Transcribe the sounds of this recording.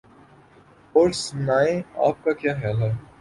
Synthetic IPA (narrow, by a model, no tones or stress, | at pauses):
poːʈsnaːẽa̰ːp̚kakjaːxjaːlɦɛː